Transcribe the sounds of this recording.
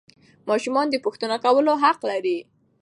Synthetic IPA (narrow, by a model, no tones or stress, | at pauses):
mɑʃumɑnd̪əpuxt̪ənakawəloɦaqlaɾi